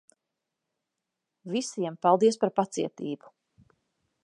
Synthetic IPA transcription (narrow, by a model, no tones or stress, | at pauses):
visiɛmpalˠd̪iɛspaɾpat̪siɛt̪iːbu̥